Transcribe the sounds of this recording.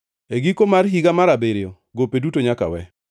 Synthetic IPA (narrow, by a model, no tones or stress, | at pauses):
eɡikomarɦiɡamaɾabeɾɪjo | ɡopedutoɲaka̰wɛ̰